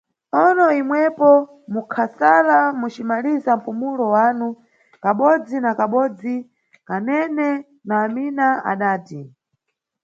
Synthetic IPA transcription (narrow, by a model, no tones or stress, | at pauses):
ɔnɔimwɛpɔ | mukʰasalamut͡ʃimalizam̩pumulɔwanu | kaɓɔd͡zinakaɓɔd͡zi | kanɛnɛ | naːminaa̰ɗaːti